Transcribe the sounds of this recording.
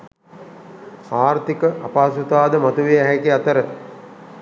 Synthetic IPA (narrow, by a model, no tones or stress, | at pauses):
aːɾt̪ikəʔapaːsut̪aːd̪əmat̪uʋiæɦækiat̪əɾə